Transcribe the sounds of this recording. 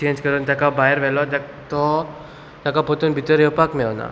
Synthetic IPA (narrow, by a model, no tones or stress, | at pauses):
t͡ɕẽɲd͡ʑkəɾuːnt̪jakabajɾʋɛlɔt̪ak | t̪ɔ | t̪jakapot̪uːnbʱit̪əɾewpakmena̰